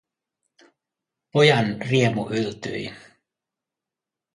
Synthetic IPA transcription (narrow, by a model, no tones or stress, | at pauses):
po̞jɑnriemuʔylt̪y̰j